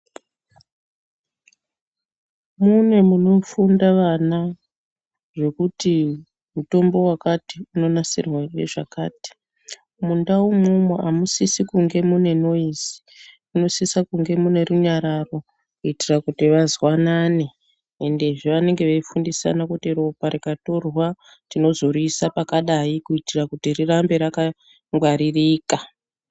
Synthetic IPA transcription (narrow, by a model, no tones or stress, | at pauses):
munwe̞muno̞fundaʋana | ʐe̞kuti | muto̞mbo̞wakatiuno̞nasirwaeʐakaːti̥ | mundawumumweʔamusisikuŋɡe̞mune̞no̞izi̥ | uno̞sisakuŋɡe̞mune̞ruɲaɾaro̞ | kuitirakutiʋazwanaːne | ende̞ʐiʋane̞ŋɡe̞ʋeifundisa̰nakutiro̞paɾikato̞rwa | tino̞zo̞ɾisapakaɗaikuitirakutirirambe̞ɾaka | ŋɡwaɾiriːka